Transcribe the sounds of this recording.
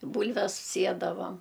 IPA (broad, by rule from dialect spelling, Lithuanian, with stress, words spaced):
ɪ ˈbuːlʲʋʲɛs ˈsʲiɛdɐʋɐm